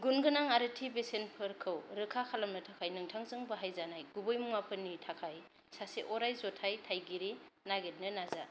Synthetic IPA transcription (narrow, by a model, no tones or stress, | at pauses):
ɡunɡɯnaŋaɾɯtʰibesenpʰɯɾkʰɯwɾɯkʰakʰalamnɯtʰakʰajnɯŋtʰaŋzɯŋbɯɦajzanajɡubɯjmuŋapʰɯnːitʰakʰaj | saseʔɔɾajzɔtʰajtʰajɡiɾinaɡet̚nɯnaza